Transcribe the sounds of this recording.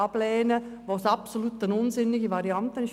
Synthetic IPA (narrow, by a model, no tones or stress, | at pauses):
ɑb̥lɛːnəʋoːsɑpsolut̪ənʊnzɪnɪɡəʋɑɾiɑnt̪ənɪʃ